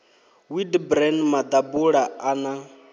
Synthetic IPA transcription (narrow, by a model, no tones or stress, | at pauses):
widbɾɛnmad̪abuɺaana